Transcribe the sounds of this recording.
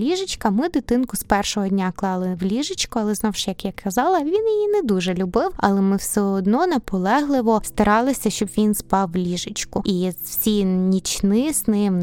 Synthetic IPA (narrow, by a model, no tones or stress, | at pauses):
lʲiʒɪt͡ʃkɐmɪd̪ɪt̪ɪnkʊspɛrʃɔɦɔdʲnʲaklˠɑlˠɪʋlʲiʒɪt͡ʃkʊɐlˠɛznɔwʃtjɐkjakʰɐzɑlˠɐʋʲinjijinɛd̪uʒɛlʲʊbɪwɐ̰lˠɛmɪwsʲɛɔd̪nɔnɐpɔlˠɛɦlˠɪʋɔst̪ɐɾɑlˠɪsʲɐʃt͡ʃɔbʋʲinspɑwlʲiʒɪt͡ʃkʊizwsʲinʲit͡ʃnɪznɪm